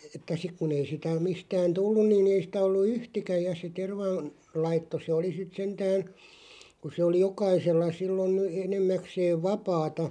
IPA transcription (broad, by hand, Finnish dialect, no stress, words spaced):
etːæ sik kun ei sitæ mistæːn tulːun nin ei sĭtæ olːu yhtikæ jɑ se terʋɑ n lɑitːo se oli sit sentæːn̞ kun̞ se oli jokɑiselːɑ silːon enemːækseːʋ̆ ʋɑpɑːtɑ